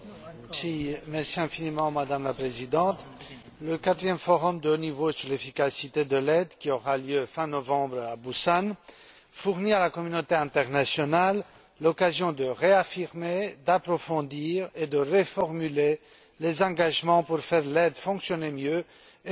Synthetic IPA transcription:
simɛʁsiɛ̃finimɑ̃mad̪amlapχezid̪ɑ̃t̪ | ləkat̪χijɛmfɔʁɔmd̪əonivosyʁlefikasit̪ed̪əlɛd̪kʲiɔʁaljøfɛ̃nɔvɑ̃bʁabusan | fuʁnialakɔmynot̪eɛ̃t̪ɛʁnasjɔnalː | ɔkazjɔ̃d̪əʁeafiʁmed̪apχɔfɔ̃d̪iːʁed̪əʁefɔʁmyle | lezɑ̃ɡaʒmɑ̃puʁfɛʁlɛd̪fɔ̃ksjɔnemjø

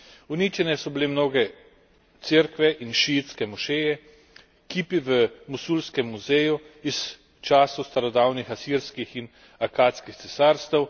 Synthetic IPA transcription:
uniːt͡ʃɛnɛsɔbilemnoːɡɛ | t̪seɾkʋɛʔinʃit̪skɛmɔʃeːjɛ | kipiʋəmusuːlskɛmːuzeːjuis | t͡ʃaːsɔst̪aɾɔd̪awnixasiːɾskixin | akaːt̪skixt̪sɛsaːɾst̪ɛw

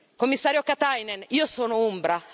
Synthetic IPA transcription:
komːisːaːɾjokat̪ajneniːosoːnoombɾa

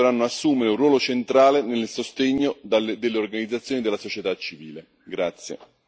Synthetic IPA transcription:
ɾanːoasːuːmeɾɪunrːwɔːlot͡ʃent̪ɾaːlenelsost̪eɲːod̪ad̪elːeorɡanid̪zat̪sːjoːnid̪elasot͡ʃet̪at͡ʃːiviːle | ɡɾat̪sːjḛ

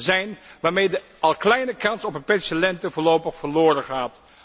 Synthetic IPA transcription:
zɛjnʋaːɹmejdə | ɑlˠklɛjnəkɑnsɔpənpɛnsəlɛntəvʊːɹlowpəχfəɹlʊːɾəχaːt

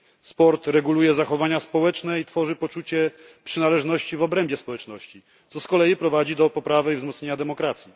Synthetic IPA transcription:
spɔɾt̪ɾɛɡulujɛzaxɔvaɲaspɔwɛt͡ʂnɛit̪fɔʐɘpɔt͡ʂut͡ɕɛ | pʂɘnalɛʐnɔɕt͡ɕivɔbɾɛmbʲjɛspɔwɛt͡ʂnɔɕt͡ɕi | t̪sɔskɔlɛjipɾɔvad͡ʑid̪ɔpɔpɾavɘivzmɔt̪sɲeɲad̪ɛmɔkɾat̪sʲji

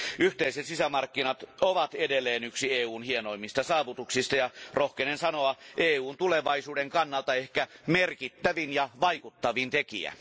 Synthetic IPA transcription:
ʔyht̪eiset̪sisæmɑrkːinɑt̪oʋɑt̪edelːˑeːnyksieːuːnhienoimːist̪ɑsɑːʋut̪uksist̪ɑjɑrohkenensɑnoɑʔeːuːnt̪uleʋɑisuːdeŋkɑnːɑlt̪ɑehkæmerkit̪ːæʋinjɑʋɑikut̪ːɑʋint̪ekḭæ̰

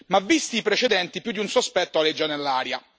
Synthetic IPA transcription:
mavːist̪iːpɾet͡ʃed̪ɛnt̪ipjud̪iunsospɛt̪ːoaled͡ʒːanelːaːɾja

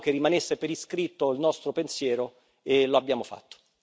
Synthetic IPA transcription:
k̟erːimanesːepeɾiskɾit̪ːoilnɔst̪ɾopensjɛːɾo | eloabːjaːmofa̰t̪ːo̥

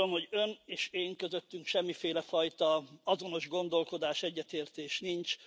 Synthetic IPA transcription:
omho̞ɟø̞neːʃeːŋkø̞zø̞t̪ːyŋkʃɛmːifeːlɛfɒjt̪ɒɒzo̞no̞ʒɡo̞nd̪o̞lko̞d̪aːʃɛɟːɛt̪eːrt̪eːʃnint͡ʃ

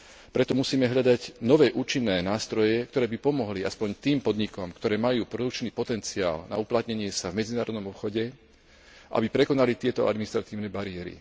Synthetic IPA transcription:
pɾɛt̪ɔmusiːmɛɦʎad̪aɟnɔʋɛːʔuːt͡ʃinːɛːnaːst̪ɾɔjɛk̚t̪ɔɾɛːbipɔmɔɦliaspɔɲt̪iːmpɔd̪ɲikɔmkt̪ɔɾɛːmajuːpɾɔd̪uk̚t͡ʃniːpɔt̪ɛnt͡sia̰ːlna̰uplat̪ɲɛɲɪɛsavmɛd͡zinaːɾɔd̪nɔmɔpxɔɟɛ | ʔa̰bipɾɛkɔnalit̪ɪɛt̪ɔa̰d̪minist̪ɾat̪iːʊnɛːbaɾiɛɾḭ

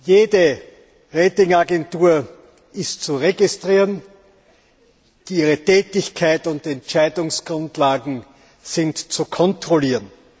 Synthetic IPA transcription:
jeːdə | ʁeːtɪŋaɡɛntuːɐ | ɪstt͡suʁeɡɪstʁ̥iːn | d̥iiːʁətɛːtɪçkʰaɪtʊntɛntt͡ʃaɪdʊŋsɡ̥ʁʊntlaːɡŋ̩ | z̥ɪntt͡sukʰɔntʁ̥oliːʁn

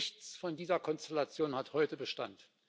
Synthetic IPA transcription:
çt͡sfɔndiːzɐkʰɔnstɛlat͡sjoːnhathɔʏtəbəʃta̰nt

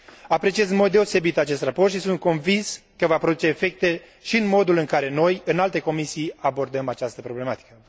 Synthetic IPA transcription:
apɾe̞t͡ʃie̞zɨnmo̞d̪̚ːeose̞bit̪at͡ʃe̞st̪raport̪ʃisunt̪̚ko̞nvinskəvapɾo̞d̪ut͡ʃe̞ːfe̞k̚t̪e̞ | ʃiɨnmo̞d̪ulɨŋkaɾe̞no̞jɨnalt̪e̞ko̞misijabo̞rd̪əmat͡ʃast̪əpɾo̞ble̞mat̪i̥kə

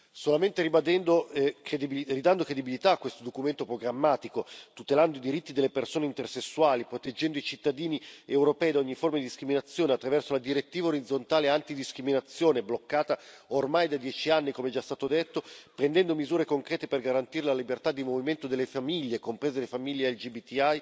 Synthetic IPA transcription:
solament̪eɾibad̪ɛnd̪oked̪irid̪and̪okɾed̪ibilit̪aːkːwest̪od̪okument̪opɾoɡɾamːaːt̪ikot̪ut̪eland̪oid̪iɾit̪ːid̪elːepersoːneint̪ersesːuwaːlipɾot̪ed͡ʒɛnd̪oit͡ʃit̪ːad̪iːniewɾopɛːjd̪aoɲːiformad̪id̪iskɾiminat̪sːjoːneat̪ːɾavɛrsolad̪iɾet̪ːiːvaoɾid̪zont̪aːleant̪id̪iskɾiminat̪sːjoːneblokːaːt̪aormajd̪ad̪jɛːt͡ʃianːikomeɛd͡ʒast̪aːt̪od̪et̪ːopɾend̪ɛnd̪omizuːɾekoŋkɾɛːt̪eperɡaɾant̪iːɾelalibert̪ad̪ːimoviment̪od̪elːefamiʎːekompɾeːzelefamiʎːeɛld͡ʒibit̪ːiaj

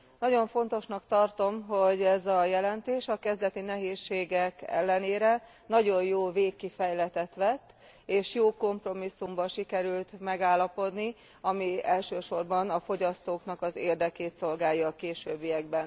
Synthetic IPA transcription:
nɒɟo̞ɱfo̞n̪t̪o̞ʃnɒkt̪ɒrt̪o̞mɦo̞ɟɛzɒjɛlɛnt̪eːʃɒkɛzd̪ɛt̪inɛɦeːʃːeːɡɛkɛ̰lːɛneːɾɛ | nɒɟo̞jjoːveːkːifɛjlɛt̪ɛt̪ʋɛt̪ː | eːʃjoːko̞mpro̞misːumbɒʃikɛɾylt̪mɛɡaːlːɒpo̞d̪ni | ɒmiɛlʃøːʃo̞rbɒnɒfo̞ɟɒst̪oːknɒkɒzeːrd̪ɛkeːt̪so̞lɡaːjɒːkeːʃøːbːijɛɡ̚bɛn

